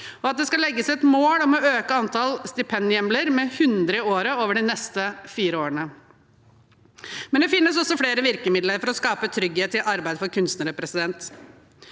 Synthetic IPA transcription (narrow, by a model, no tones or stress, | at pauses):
ɔɑt̪̚d̪ɛskɑlɛɡːəsɛt̪moːɽɔmɔøːkəɑnt̪ʰɑlst̪ɪpʰɛnɪɛmləɾmɛhʉnd̪ɾəɪoːɾəoːʋəɖɪnɛst̪əfiːɾəoːɾənə | mɛnd̪ɛfɪnːəsɔsɔfɽeːɾəʋɪɾkəmɪd̪ləɾfɔɾɔskɑːpət̪ʰɾʏɡheːt̪ːɪlʔɑɾbæɪd̪fɔɾkʰʉnst̪nəɾəpɾɛsɪd̪ɛnt̪